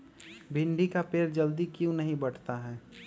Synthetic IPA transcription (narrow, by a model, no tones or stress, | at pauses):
bʱɪ̃ɳɖikapeːɾd͡ʒɐld̪ikjũnəɦĩbəɽ̤t̪aɦɛː